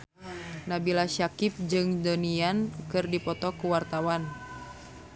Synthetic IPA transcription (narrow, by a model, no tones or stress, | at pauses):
nabilaʃakip̚d͡ʒɨŋdoniankɨrdipɔt̪ɔkuwart̪awan